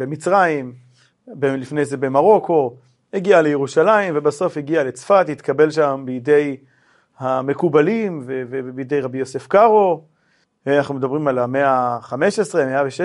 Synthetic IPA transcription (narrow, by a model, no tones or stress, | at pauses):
bemit͡sʁaim | belifnejze̞be̞maʁo̞ko̞ | eɡialejeʁuʃalaimvebaso̞fheɡiale̞t͡sfat̪hit̪kabe̞lʃambijd̪e̞j | hame̞kubalimvevebijd̪e̞jʁabijose̞fkaʁo | anaχnumed̪abʁimalame̞aχame̞ʃesʁemeaveʃe